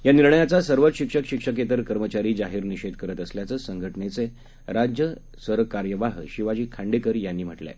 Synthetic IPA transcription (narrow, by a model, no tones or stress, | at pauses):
janiɾɳəjat͡sasəɾʋət̪ɕikʂəkɕikʂəket̪əɾkəɾmət͡ɕaɾiːd͡zaɦiːɾniɕed̪kəɾət̪əsljat͡səsəŋɡʱəʈnet͡se | ɾad͡ʑjə | səɾʋəkaɾjəʋaɦɕiʋad͡ʑiːkʰãɳɖekəɾjanːiːm̤əʈlḛ